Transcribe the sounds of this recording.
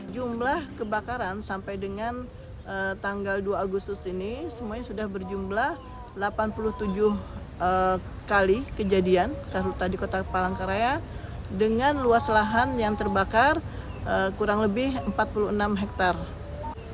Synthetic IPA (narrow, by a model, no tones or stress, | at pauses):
d͡ʒumblahkəbakaɾansampajdəŋan | ʔət̪aŋɡalduaːɡust̪ʊsinisəmuaɲasudahbərd͡ʒumblah | lapanpulʊht̪ud͡ʒʊh | ə | kalikəd͡ʒadiankaɾut̪adikot̪apalaŋkaɾajadəŋanluasəlaɦanjaŋt̪ərbakar | əkuɾaŋləbɪhəmpat̪̚puluənamɦɛk̚t̪ar